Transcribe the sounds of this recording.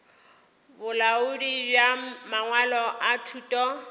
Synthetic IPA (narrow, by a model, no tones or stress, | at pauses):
bʊlaʊdibjamaŋwalɔʔatʰutʼɔ